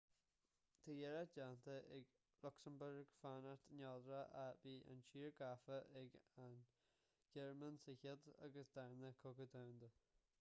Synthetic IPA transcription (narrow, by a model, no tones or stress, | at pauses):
t̪ʰajɛɾad͡ʒant̪əʔɛɡ | lʊksənbʊɹɡ̥fanaɹt̪nʲɔd̪ɾəʔaviːʔa̰nʃiːɹɡafəʔɛɡan | ɡ̥ɛɹmənsɪçəd̪a̰ɡəsd̪aɹnəkʰoɡəd̪oːwnd̪ə